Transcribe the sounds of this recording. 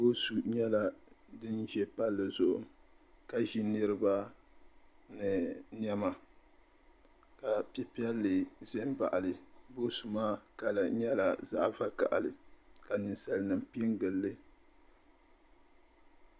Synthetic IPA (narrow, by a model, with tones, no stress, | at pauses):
bo˦su˨ɲɛ˦la˦dɨ˦nʒɛ˦pa˦lːɨ˨zʊ˨ʔʊ˨ | ka˨ʒi˦nɨ˦ɾɨ˦ba˦ | nɨ˨n˦ɛ˦ma˨ | ka˨pi˦pi˦ɛ˦lːɨ˨zɛ˦m˦ba̰˨ʔa˨lɨ˨bo˦su˨maː˦ka˨la˨ɲɛ˦la˨za̰˦ʔva˦ka̰˨ʔa̰˨lɨ˨ka˨nɨ˨nsa˦lnɨ˨m˨pi˦ŋɡɨ˨lːɨ˦